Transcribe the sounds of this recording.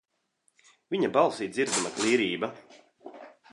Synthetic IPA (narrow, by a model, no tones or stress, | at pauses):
vʲiɲabalˠsiːt̪ziɾd̪zimak̪lˠiːɾiːba